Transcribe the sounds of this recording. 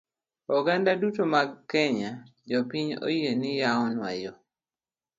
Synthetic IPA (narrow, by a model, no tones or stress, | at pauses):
ɔɡandadutomaɡkɛɲad͡ʒɔpiɲo̰jenɪjaɔnwa̰jɔ